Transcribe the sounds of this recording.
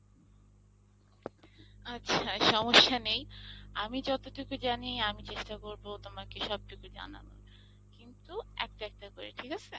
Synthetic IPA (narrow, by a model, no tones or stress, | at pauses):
atːɕʰaʃɔmoʃːanejamid͡ʑɔt̪oʈukud͡ʑanijamit͡ɕeʃʈakoɾbot̪omakeʃɔb̚ʈukud͡ʑa̰na̰no̰ | kint̪uɛ̰k̚ʈaɛk̚ʈakoɾḛʈʰikasʰe